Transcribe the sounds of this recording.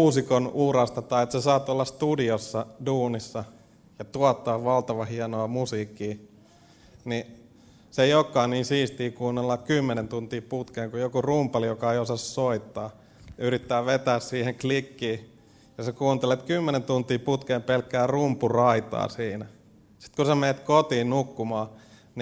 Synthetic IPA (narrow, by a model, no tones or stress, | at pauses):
uːsikonurɑst̪ɑt̪ɑiet̪sesɑːt̪olːɑst̪udiosːɑduːnisːɑ | jɑt̪uɑt̪ːɑːʋʋɑlt̪ɑʋɑhiɑnoɑmusiːkːiː | ni | seiokːɑiniːnsiːst̪iːkuːnːelːɑkkymːenent̪unt̪iːput̪keːŋkujokurumpɑlijokɑeiosɑssoit̪ːɑː | yrit̪ːæːʋet̪æːssiːheŋklikːiː | jɑsekuːnt̪elet̪kymːenent̪unt̪iːput̪keːmpelkːæːrumpurɑit̪ɑ̰ːsiːnæ | si̥t̪kusemeːt̪kot̪iːnnukːumɑː | n